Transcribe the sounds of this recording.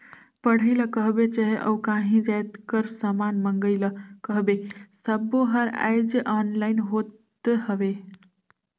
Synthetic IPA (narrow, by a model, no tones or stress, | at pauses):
pəɽ̤əɪləkəɦbet͡ʃəɦeʔə̰ukãːɦĩd͡ʒajt̪kəɾsəmaːnməŋɡəɪləkəɦbesəboɦəɾa̰jd͡ʒʔɔːnlaːɪnɦot̪ | eɦəʋe